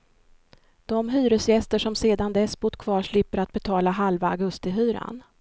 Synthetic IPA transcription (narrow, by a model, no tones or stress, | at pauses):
d̪̥ɔmɦyːɾɵsjɛst̪əʂɔmseːd̪and̪ɛsːbʊd̪kʰvɑːʂɭɪpːəɾat̪̚bɛt̪ʰɑːlaɦalvaːɡɵst̪ɪɦyːɾa̰n